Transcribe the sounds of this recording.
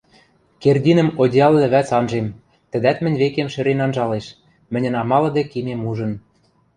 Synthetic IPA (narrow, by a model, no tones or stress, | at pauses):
kerdʲinə̆modʲɑlːɘ̆βæt͡sɑnʒem | t̪ɘ̆d̪æt̪mɘ̆nʲβekemʃɘ̆ɾenɑnʒɑleʃ | mɘ̆nʲɘ̆nɑmɑlɤ̆d̪ĕkimemuʒɤ̆n